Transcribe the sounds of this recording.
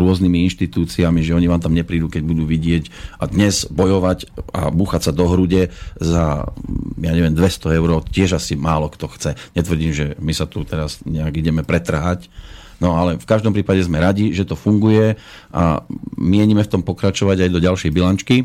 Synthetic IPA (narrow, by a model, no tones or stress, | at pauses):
ɾʊɔznimiinʃt̪it̪uːt͡siamiʒɛɔɲiʋaːmt̪amɲɛpɾiːd̪uːkɛɟ̚bud̪uːʋiɟɪɛcʔad̪ɲɛzbɔjɔʋaca̰buːxatsad̪ɔɦɾuɟɛza̰ | jaɲɛʋɪɛmd̪ʋɛst̪ɔɛʊɾɔːʊcɪɛʒasimaːlɔkt̪ɔxt͡sɛɲɛt̪ʋr̩ɟiːmʒɛmisat̪ut̪ɛɾazɲɛaɡiɟɛmɛpɾɛt̪r̩ɦac | nɔalɛfkaʒd̪ɔmpɾiːpaɟɛzmɛɾaɟiʒɛt̪ɔfuŋɡujɛ | a̰miɪɛɲimɛft̪ɔmpɔkɾat͡ʃɔʋaɟajd̪ɔɟalʃɛjbilant͡ʃki